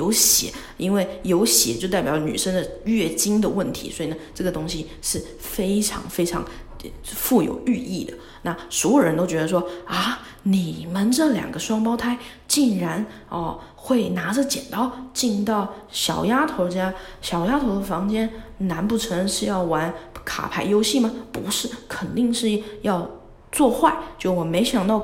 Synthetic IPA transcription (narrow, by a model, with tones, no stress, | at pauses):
jo˧˥ʊɕjɛ̰˨˩˦ | i˥nwe˥˩ɪjo˧˥ʊɕjɛ̰˨˥t͡ɕjo˥˧ʊt̪a˥˩ɪpjɑ˥˩˥ʊny˨˩ʂə˥ŋd̪ə˨ɥɛ˥˩t͡ɕi˥ŋd̪ə˨wə˥˩nt̪ʰḭ˧˥swɔ˧˥i˨˩nə˧˦ʈ͡ʂɤ˥˩ɡə˩t̪ʊ˥ŋɕi˧˥ | ʂɻ̩˥˩ | fe˥ɪʈ͡ʂʰɑ̰˧˥ŋfe˥ɪʈ͡ʂʰɑ̰˧˥ŋ | fu˥˩jo̰˨˩ʊy˥˧i˥˩d̪ə˩ | na˥˩su˧˥jo˨˧˩ɻə˧˥nt̪o˥ʊt͡ɕɥɛ˧˥d̪ə˧ʂwɔ˥a˥˩ | ni˨˩mə˧˦nʈ͡ʂɤ˥˩ljɑ̰˨˩ŋɡə˦ʂwɑ˥ŋpɑ˥ʊt̪ʰa˥ɪ | t͡ɕi˥˩ŋɻa˧˥n | ə˧ | xwe˥˩ɪna˧˥ʈ͡ʂə˥˧t͡ɕjɛ̰˨˩nt̪ɑ˥ʊt͡ɕi˥˧ŋt̪ɑ˥˩ʊɕjɑ˨˩ʊja˥t̪ʰo˧˥ʊʈ͡ʂɤ˥˧ja˥˩ɕjɑ˨˩ʊja˥t̪ʰo˧˥ʊd̪ə˧fɑ˧˥ŋt͡ɕjɛ˥nna˧˥npu˥˩ʈ͡ʂʰɤ˧˥ŋʂɻ̩˥˧jɑ˥˩ʊwa˧˥nkʰa̰˨˩pʰa˧˥ɪjo˥ʊɕi˥˩mɐ˩pṵ˧˥ʂɻ̩˥˩kʰə˨˩nt̪i˥˧ŋʂɻ̩˥˧jɑ˥˧ʊ | t͡swɔ˥˧xwa˥˩ɪt͡ɕjo˥˩ʊwɔ˨˩me˧˥ɪɕjɑ˨˩ŋt̪ɑ˥˩ʊ